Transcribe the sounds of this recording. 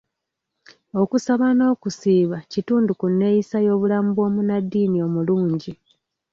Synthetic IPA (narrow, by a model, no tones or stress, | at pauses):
o̞kusaβano̞ːkusiːβacituːndukunːe̞jisajo̞ːβulaːmbuo̞munadːiːnio̞muluːɲɟi